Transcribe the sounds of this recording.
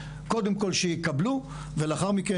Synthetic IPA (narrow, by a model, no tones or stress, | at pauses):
ko̞d̪emko̞lʃejikablu | veleaχaʁmike